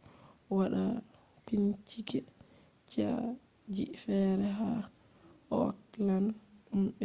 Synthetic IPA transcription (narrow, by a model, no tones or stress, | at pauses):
waɗa | tiɲt͡ʃikɛt͡ʃa̰d͡ʒḭfɛɾɛɦa | ʔɔklanɗumɛ